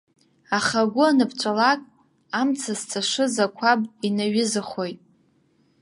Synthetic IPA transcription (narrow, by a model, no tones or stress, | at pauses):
aχaɡʷʊanɨpʰt͡ʃʷʼalakʼ | amt͡sʰazt͡sʰaʂɨzakʷʰabʼinaɥɪzɨχo̞jtʼ